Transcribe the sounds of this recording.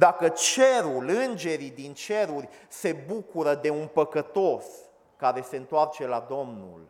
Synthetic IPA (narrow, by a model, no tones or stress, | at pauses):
d̪akət͡ʃe̞ɾulɨnd͡ʒe̞ɾid̪int͡ʃe̞ɾurʲse̞bukuɾəd̪e̞unpəkət̪o̞s | kaɾe̞se̞ɨnt̪oart͡ʃe̞lad̪o̞mnṵl